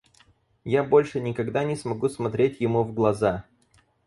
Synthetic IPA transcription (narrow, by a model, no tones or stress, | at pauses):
jabo̞lʲʂɨnʲɪkɐɡd̪anʲɪsmɐɡusmɐt̪ɾʲetʲjɪmuvɡlˠɐza